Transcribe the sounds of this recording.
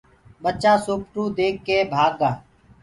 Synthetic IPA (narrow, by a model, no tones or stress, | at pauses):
ɓət͡ʃaːsoːp̚ʈuːd̪eːkːeːbʱaːɡãː